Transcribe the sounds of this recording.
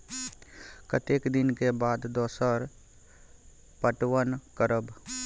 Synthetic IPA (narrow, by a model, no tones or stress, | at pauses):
kət̪eːkd̪ɪnkebaːd̪d̪ɔːsəɾ | pəʈwənkəɾəb